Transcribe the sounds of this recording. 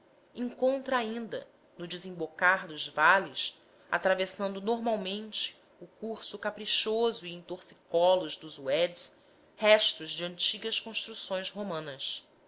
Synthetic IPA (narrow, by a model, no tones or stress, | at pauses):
ĩŋkõnt̪ɾɐaĩnd̪ɐ̰ | nʊd͡ʒɪzĩmbokaɾd̪ʊzvalɪs | a̰t̪ɾavesɐ̃nd̪ʊnoɾmawmẽnt͡ʃɪ̥ | ʊkuɾsʊkapɾiʃozʊiẽt̪oɾsi̥kɔlʊʒd̪ʊzuɛd͡ʒs | hɛʃt̪ʊʒd͡ʒɪɐ̃nt͡ʃiɡɐskõʃt̪ɾusõj̃sɦomɐ̃nɐs